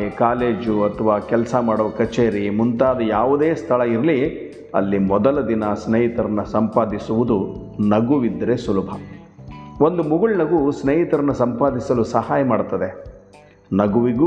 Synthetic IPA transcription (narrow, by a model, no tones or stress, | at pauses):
ekaːleːd͡ʒuɐt̪ʰɐʋaːkɛlɐsɐmaːɽɔːʋɐkɐt͡ʃeːɾimunt̪aːd̪ɐjaːʋud̪eːst̪ʰɐɭɐiɾɐli | ɐ̰lːimɔd̪ɐlɐd̪inɐsneːɦit̪ɐɾɐnːɐsɐmpaːd̪isuʋud̪unɐɡuʋid̪ɾesulɐbʱɐ | o̞nd̪umuɡuɭnɐɡusneːɦit̪ɐɾɐnːɐsɐmpaːd̪isɐlusɐhaːjɐmaːɽut̪ːɐd̪e̞ | nɐɡuʋiɡu